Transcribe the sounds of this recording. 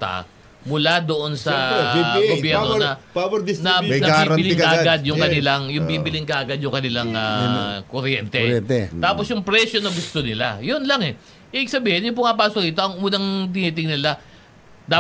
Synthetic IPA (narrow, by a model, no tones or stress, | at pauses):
t̪a̰ | mʊlad̪oʔo̞nsɐɡobjɛɾnonɐpawɐɪsnɐnɐbibɪlɪŋkaʔɡad̪jʊŋkɐnɪlaŋjʊŋbibɪlɪŋkɐʔɐɡad̪jʊŋkɐnɪlaŋakoɾjɛnt̪ɛt̪aːpo̞sjʊŋpɾɛʃjonɐɡʊst̪o̞nɪla̰jonlɐŋɛ | ʔɛʔɪɡ̚sɐbiːhɛnjʊŋpʊŋapaːsokɪt̪o̞ʔɐŋʔuːnɐŋt̪̬ɪniːt̪ɪŋnnɪla | d̪aː